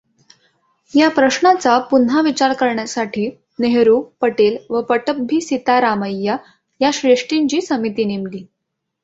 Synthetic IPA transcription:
japɾəɕɳat͡sapunɦaʋit͡ɕaɾkəɾɳjasaʈʰiː | neɦɾupəʈelʋəpəʈəbʱiːsit̪aɾaməjːa | jaɕɾeʂʈiɲt͡ɕiːsəmit̪iːnimliː

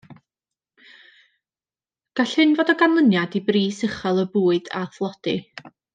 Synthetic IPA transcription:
ɡ̥aɬhɨnvoːdɔɡanlˠənjadibriːsəχɔlˠəbuːɨda̰θlˠɔd̥ɨ

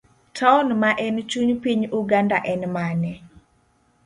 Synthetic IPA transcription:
tʰanmaʔɛnt͡ʃuɲpiɲuɡandaʔɛnmanɛ

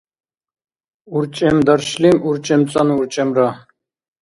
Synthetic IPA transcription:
uɾt͡ʃʼɛmd̪aɾʃlimuɾt͡ʃʼɛmt͡sʼanuɾt͡ʃʼɛmɾa

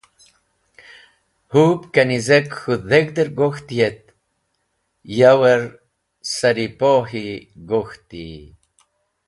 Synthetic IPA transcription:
hupkanizekxuðeɡd̪əɾɡoxt̪jet̪̚ | jaweɾ | saɾipoɦiɡoxt̪ḭ

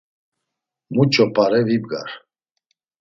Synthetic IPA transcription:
mut͡ʃʼɔpʰʼaɾɛvibɡa̰ɾ

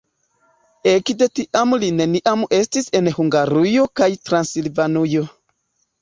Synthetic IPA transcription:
ekde̞tiʔamline̞niʔame̞stise̞nhuŋɡaɾujo̞kajtɾansilvanujo̞

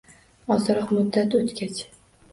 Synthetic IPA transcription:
ɒzɾɒqmʊd̪ːat̪ot̪kʲat͡ʃʰ

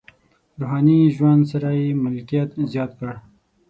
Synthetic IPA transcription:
ɾoɦɑniʒwand̪saɾajemɪlkijat̪zjɑt̪kəɽ

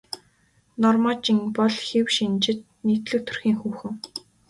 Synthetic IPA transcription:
nɔrmaːt͡ɕiŋpɔɮxewʃint͡ɕɪ̆t̪̚niːt̪ɮɘ̆w̚t̪ʰɵ̥rxiːŋxuːxɘ̆ŋ

